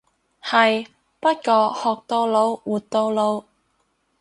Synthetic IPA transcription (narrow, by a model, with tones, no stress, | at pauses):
hɐ˨j | pɐ˥t̚kɔː˧hɔː˨k̚t̪o˧wlo˨˧˥wwuː˨˩tt̪o˧wlo˨˧w